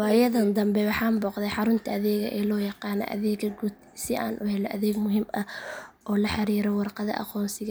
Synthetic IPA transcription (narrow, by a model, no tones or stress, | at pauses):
wɑːjɐðɐnd̪ɐmbɛwɑħɑːmbɔːqðɛjħɑɾʊnt̪ʰɐɐðɛːɣɐ̰ʔɛːlɔːjɑqɑːnɔ̰ʔɐ̰ðɛːɣɐɡud̪ | sɪʔaːnʔʊhɛlɔʔɐðɛːɡmʊɦɪmɐʔɔːlɐħɑɾiːɾɔwɑrqɑðɐ̰ʔɑ̰qɔːnsɪɣɐ